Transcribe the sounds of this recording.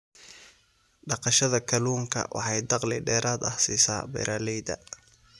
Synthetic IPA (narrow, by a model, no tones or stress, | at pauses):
ɖɑqɑʃɐðɐkʰɐluːŋkʰɐ̰wʔɑ̰ħɑjd̪ɑqlɪɖɛːɾaːd̪ɐhsḭːsa̰ːbɛ̰ɾʔaːlɛjd̪ɐ̰